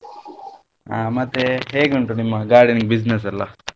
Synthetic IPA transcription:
aːmɐt̪ːeɦeːɡuɳʈunimːɐɡaːɽiniɡbid͡ʒnes̬ɐlːɐ

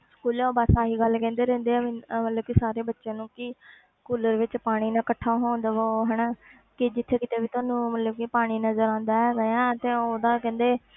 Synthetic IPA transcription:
skuːlɛ̃ːoːbasaːɦiːɡəlkɛ̃ːnd̪eːɾɛ̃ːnd̪eːɛːmət̪ləb̚kisaːɾeːbətːʃãːnũːkɪ | skuːləɾʋɪt͡ʃpaːɽ̃iːnãːkəʈʰːaːɦoːnd̪aʋoːɦɛnaː | kɪd͡ʒɪt̪ʰːeːkɪt̪eːbiːt̪ʊaːnũːmət̪ləb̚kipaːɽ̃iːnəzəɾãːnd̪aːɛːɾəãːt̪eːoːd̪ãːkɛ̃ːnd̪eː

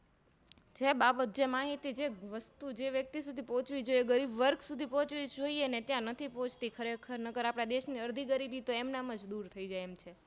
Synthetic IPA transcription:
d͡ʒebabət̪̚d͡ʒemaɦit̪id͡ʒeʋəst̪ud͡ʒeʋjək̚t̪isud̪ʱipɔ̃ɦt͡ʃʋid͡ʒoijeɡəɾibʋəɾksud̪ʱipɔ̃t͡ʃʋid͡ʒoienet̪jãnət̪ʰipɔ̃ɦt͡ʃʰt̪ikʰəɾekʰəɾnəkəɾapɽ̃ad̪eʃniəɾd̪ʱiɡəɾibit̪oemnaməd͡ʒd̪uɾt̪ʰəid͡ʒajemt͡ʃʰe

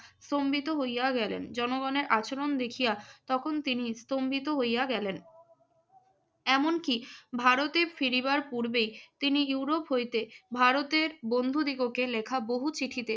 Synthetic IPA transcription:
st̪ombit̪oɦojaɡɛlḛnd͡ʑɔnoɡɔneɾʔat͡ɕoɾond̪ekʰijat̪ɔkʰont̪inist̪ombit̪oɦojjaɡɛlen | ɛmonkibʱaɾot̪eɾfiɾibaɾpuɾbejt̪iniuɾopɦojt̪ebʱaɾot̪eɾbond̪ʱud̪iɡokelekʰaboɦut͡ɕiʈʰit̪e

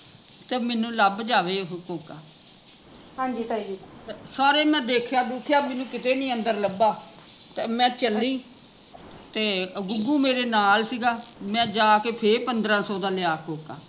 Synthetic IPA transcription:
t̪eːmɛːnũːləbd͡ʒaːʋeːɦkoːkaː | ɦãːd͡ʒi | esaːɾeːmɛ̃ːd̪eːkʰjaːd̪uːkʰjaːmɛ̃ːnũːkɪt̪eːnĩːə̃nd̪əɾləbaː | t̪eːmɛ̃ːt͡ʃəlːiː | t̪eːəɡʊɡuːmeːɾeːnaːlsiːɡaːmɛ̃ːd͡ʒaːkeːpʰeɾpənd̪ɾãːsɔːd̪ãːlɪaːkoːka̰ː

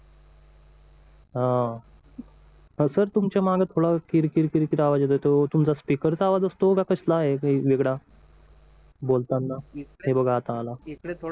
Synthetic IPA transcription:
ɦã | səɾt̪umt͡ɕamaɡat̪ʰoɽakiɾkiɾkiɾkiɾaʋad͡ʑet̪ojt̪ot̪umt͡saspikəɾt͡saʋad͡zəst̪oɡakəɕlaːɦeiʋeɡɽa | bolt̪anːaɦebəɡʱat̪aːlaeke

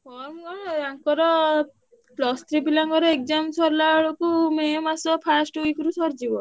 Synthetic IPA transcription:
pʰɔɾmkɔɽaŋkɔɾɔ | klɔst̪ɾibilaŋɡɔɾɔek̚d͡ʒamsɔɾlaɭɔkumemasɔpʰasʈuikuɾusɔɾd͡ʒibɔ

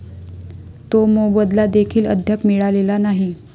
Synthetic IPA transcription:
t̪omobəd̪lad̪ekʰiːlə̰d̪ʱjəpmiɭalelanaɦi

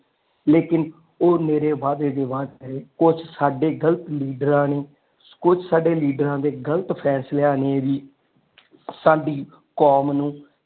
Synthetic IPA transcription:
leːkɪn | oːneːɾeːʋaːd̪eːd̪eːʋaːd̪kəɾeːkʊt͡ʃʰsaːɖeːɡəlt̪liːɖəɾãːneː | kʊt͡ʃʰsaːɖeːliːɖəɾãːd̪eːɡəlt̪pʰɛːsleːãːneːʋiː | saːɖiː | koːmnũː

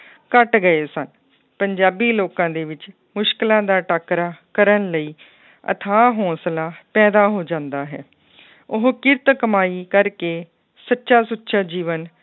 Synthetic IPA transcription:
kəʈɡəeːsən | pəɲd͡ʒaːbiːloːkãːd̪eːʋɪt͡ʃ | mʊʃkɪlãːd̪aːʈaːkɾaːkəɾənləiː | ə̰t̪ʰaːɦɔ̃ːslaːpɛːd̪aːɦoːd͡ʒãːnd̪aːɦɛ̰ː | ʊɦkɪɾt̪kəmaːiːkəɾkeː | sətːʃaːsʊtːʃaːd͡ʒiːʋən

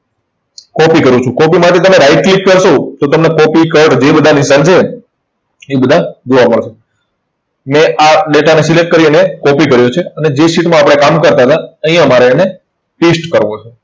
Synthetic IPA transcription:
kɔpikəɾũt͡ʃʰũkɔpimaʈet̪əmeɾaiʈ̚klik̚kəɾʃot̪ot̪əmnekɔpikəɾʈd͡ʒebəd̪ʱanɪnsant͡ʃʰe | ebəd̪ʱad͡ʒoʋaməɭʃe | meʔaɖeʈanesilek̚ʈ̚kəɾiənekɔpikəɾjot͡ʃʰeəned͡ʒesiʈmãːpəɽ̃ekamkəɾt̪aɦət̪aəɦĩjãəmaɾene | pisʈkəɾʋot͡ʃʰe

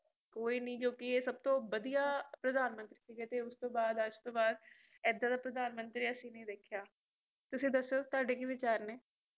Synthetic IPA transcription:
koːiːnəĩːd͡ʒõːkɪeːsəb̚t̪õːʋəd̪ijaːpɾəd̪aːnmə̃nt̪ɾiːsiːɡeːt̪eːʊst̪õːbaːd̪əd͡ʒt̪õːbaːd̪̚ | ɛːd̪ãːd̪aːpɾəd̪aːnmənt̪ɾiːəsĩːnəĩːd̪eːkʰːjaː | t̪ʊsĩːd̪əsːeoːt̪ʊaːɖeːkiʋɪt͡ʃaːɾneː

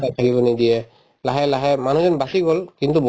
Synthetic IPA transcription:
atʰakibɔnidijɛ | laɦɛlaɦɛmanuzɔnbasiɡɔlkintubɔ

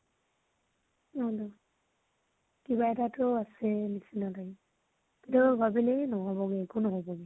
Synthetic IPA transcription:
ɔdɔ | kiβaɛtatoasɛnisinalaɡi | kitakbʱabilɛnɔɦɔbɔɡɛːkunɔɦɔbɔɡɛ

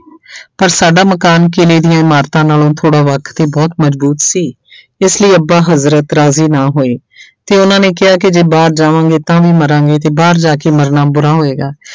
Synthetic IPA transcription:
pəɾsaːɖaːməkaːnkeːleːd̪ɪjãːɪmaːɾt̪ãːnaːlõːt̪ʰoːɽaːʋəkʰt̪eːbɔːt̪məzbuːt̪siː | ɪsləiːəbaːɦəzɾət̪ɾaːziːnaːɦoːeː | t̪eːʊnãːneːkɪɦaːkɪd͡ʒeːbaːɾd͡ʒaːʋãːŋɡeːt̪ãːʋiːməɾãːŋɡeːt̪eːbaːɾd͡ʒaːkeːməɾnaːbʊɾaːɦoːeːɡaː

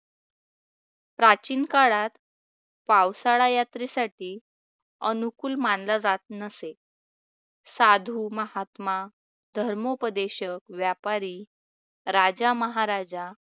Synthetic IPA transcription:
pɾat͡ɕiːnkaɽat̪ | pawsaɭajat̪ɾesaʈiː | ənukuːlmanlad͡zat̪̚nəse | sad̪ʱuːməhat̪ma | d̪ʱəɾmopəd̪eɕəkʋjapaɾi | ɾad͡ʑaməɦaɾad͡ʑa

